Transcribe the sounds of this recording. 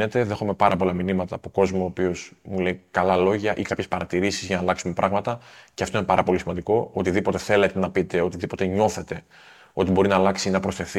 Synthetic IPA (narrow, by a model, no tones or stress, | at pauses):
ne̞t̪e̞ðe̞xome̞pɐɾʔɐpo̞lɐminimɐt̪ɐːpoko̞zmo̞ːpiosmule̞ikɐlɐlo̞ʝɐʔikɐpçespɐɾɐt̪iɾisizʝɐnɐlɐksume̞pɾɐɣmɐt̪ɐceɐft̪oine̞pɐɾɐpo̞lisimɐnd̪iko̞ot̪iðipo̞t̪e̞θe̞le̞t̪e̞nɐpit̪e̞o̞t̪iðipo̞t̪eɲo̞θe̞t̪e̞ | o̞t̪ibo̞ɾinɐːlɐksinɐpɾo̞sθe̞θi